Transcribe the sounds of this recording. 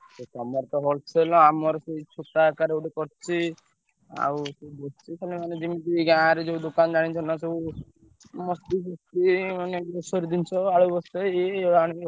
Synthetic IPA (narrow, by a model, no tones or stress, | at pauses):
set̪ɔmɔɾt̪ɔɦɔlt͡ʃʰelɔ̃amɔɾɔseit͡ʃʰuʈakaɾeuɖekɔɾt͡ʃʰi | a̰wseubɔst͡ʃʰikalemaned͡ʒimit̪iɡãːɾed͡ʒeud̪okanɔd͡ʒaɽ̃it͡ʃʰɔnaseu | mɔst̪isɔst̪imanebosɔɾid̪int͡ʃʰɔaɭubɔsteeaɽ̃i